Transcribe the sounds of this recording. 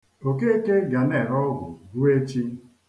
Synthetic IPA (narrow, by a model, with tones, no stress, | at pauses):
o˨ke˦e˦ke˦ɡa˨ne˨ɾɔ˦ɡʷʊ˨ɡu˦e˦t͡ʃi˦